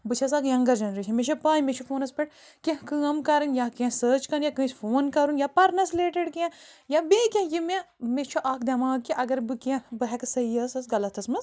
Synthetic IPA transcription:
bɨt͡ʃʰɐs̬aːkjɐŋɡɐɾd͡ʒɐnɾeʃʰɐmeʃɐpaːjmet͡ʃʰufʰoːnɐspɐʈ | kʲẽɦkɨɐmkɐɾɨnjakẽsəːt͡ʃkɐnjakɨ̃ːsfʰoːnkɐɾunjapɐɾnɐsleːʈeɖkẽjabeːkʲẽjimemet͡ʃʰuʔaːkd̪ʲɐmaːkiʔɐɡɐɾbɨkẽbɨɦɛksɐjɐsɐsɡɐlɐt̪ʰɐsmɐs

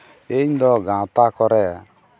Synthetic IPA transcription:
eɲd̪ɔɡãt̪akɔɾɛ

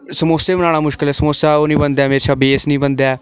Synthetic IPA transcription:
səmoːseːmənaːɽ̃aːmʊʃkɪlɛːsəmoːsaːoːnĩːbənd̪aːmeːɾeʃabiːeːsnĩːbənd̪aː

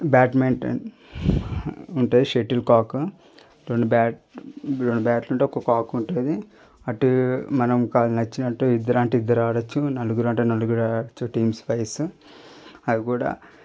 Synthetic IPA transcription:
baːʈmeːɳʈ | uɳʈuːd̪iʂeʈilkaːku | ɾoɳɖibaːʈɾoɳɖubaːʈluɳʈeɔkːokaːkuɳʈuːd̪i | ɐʈumɐnɐmkaːlɐnɐt͡ʃːinɐʈːuːid̪ːɐɾaːɳʈiid̪ːɐɾaːɽɐt͡ʃːunɐluɡuɾuɐɳʈɐːnɐluɡuɾaːɐt͡ʃːuʈiːmsʋɐjs | ɐd̪ikuːɽa̰ː

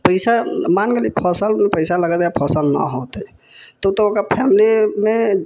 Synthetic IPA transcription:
pəɪsamanɡelipʰəsəlmepəɪsaləɡət̪japʰəsəlnə̰ɦot̪e | t̪ɔut̪ɔokapʰɛmlime

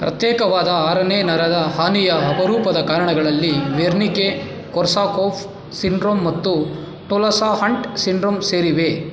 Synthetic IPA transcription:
pɾɐ̰t̪jɛːkɐʋaːd̪ɐaːɾɐneːnɐɾɐd̪ɐhaːnijɐɐpɐɾuːpɐd̪ɐkaːɾɐɳɐɡɐɭɐlːiʋeːɾnike | kɔɾsaːkoːpʰ | siɳɖɾoːmːɐt̪ːu | ʈolɐsaːɦɐɳʈsiɳɖɾoːmseːɾiʋe̞

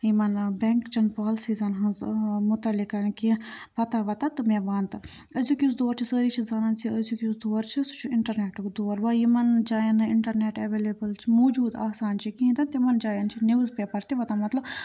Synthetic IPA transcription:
imɐnbɛŋkt͡ʃʰɐnpaːlsiːzɐnɦɐ̃nzmʊt̪ɐlikɐɾnkipɐt̪aʋɐt̪at̪ɨmeːʋaːnt̪ɨ | ɐzukʲisd̪oːɾt͡ʃʰisəːɾiːt͡ʃʰizɐnãnt͡ʃʰiəzukisd̪oːɾt͡ʃʰisu̥t͡ʃʰuɪɳʈɐɾneːʈɨkd̪oːɾʋaːjimɐnd͡ʒaːjɐnɨɪɳʈɐɾneːʈɐʋeːleːbəlt͡ʃʰimoːd͡ʒuːd̪a̰ːsaːnt͡ʃʰikiĩnt̪ɐnt̪imɐnd͡ʒaːjɐnt͡ʃʰiniʋzpeːpɐɾt̪iʋɐt̪amɐt̪lɐb

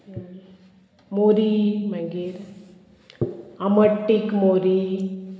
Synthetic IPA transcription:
muɾimɐŋɡiɾ | ɐmɐʈːikmoɾi

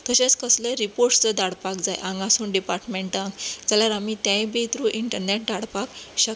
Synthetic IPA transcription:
t̪əɕẽt͡skəslẽɾipoɾʈt͡səd̪aɽpakd͡zajʔãŋɡasuːnɖipaɾʈmeɳʈãŋɡd͡zəljaɾamiːt̪jãjbet̪ɾuːʔiɳʈəɾneʈ̚d̪aɽpakɕək

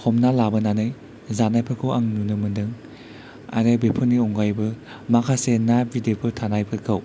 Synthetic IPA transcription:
kʰɔmnalabɐnanɯj | zanajpʰɯkʰɯwaŋnunɯmɯndɯŋ | a̰ɾɯbepʰɯniɔŋɡajbɯ | makʰasenabidepʰɯtʰanajpʰɯkʰɯw

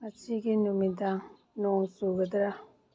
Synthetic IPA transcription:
mat͡ʃiɡinumid̪aŋ | nɔŋsuɡɐd̪ɾa

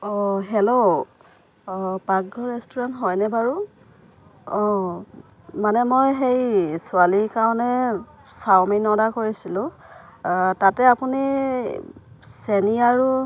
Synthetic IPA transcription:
ɔɦelo | paɡɡɔɹɛstɔɹantɦɔjnɛbaɹu | ɔ | manɛmojxejsʊalikaɹɔ̃nɛ | sawminɔdakoɹisilʊ̃ | tatɛapuni | seniaɹu

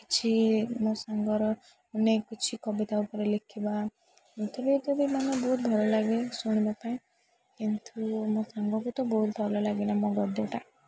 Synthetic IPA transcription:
ki̥t͡ʃʰimɔ̃saŋɡɔɾɔ | unekut͡ʃʰikɔbit̪aupɔɾelekʰiba | it̪ʰebit̪ebimɔnɔbɔɦut̪̚bʱɔlɔlaɡesuɽ̃ibapaĩ | kint̪umɔsaŋɡɔkut̪ɔbɔɦut̪̚bʱɔlɔlaɡinamɔɡɔd̪ɔʈa

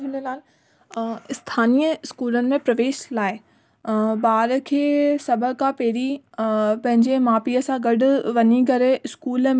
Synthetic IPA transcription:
ɪnəlaːl | ɪst̪ʰaːnijəɪskuːlənɪ̆mẽpɾɐʋeːʃlaːɪ | baːɾkʰeːsɐbʱəkãpeːɾi | pɐ̃ɦɪ̃ɲd͡ʑemaːpiəsãɡɐɖʱʊ̆ʋɐɲikɐɾeɪskuːlm

